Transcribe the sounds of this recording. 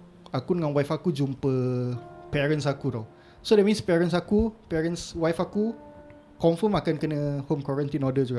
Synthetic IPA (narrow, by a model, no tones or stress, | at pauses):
akunəŋãnwajfakud͡ʒumpə | pɛɾə̃ns̬akudo | sodɛt̚mĩnspɛɹəns̬akupɛɹənswajfaku | kɔ̃ɱfəmakankənəhomkɔɹə̃nt̪inɔdəd͡ʒuɡaʔ